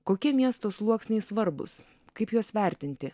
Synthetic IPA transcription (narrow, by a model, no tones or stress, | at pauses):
koːkʲiɛmʲiɛst̪oːslˠuɔksʲnʲɛɪsʋɐɾbʊ̰s | kɐɪpjoːsʋʲɛˑɾʲt̪ʲɪnʲt̪ʲɪ